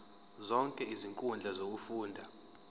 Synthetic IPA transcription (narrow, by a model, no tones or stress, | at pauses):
zɔŋkʼɛiziŋkʼund͡ɮʱazok̬ufuːndʱa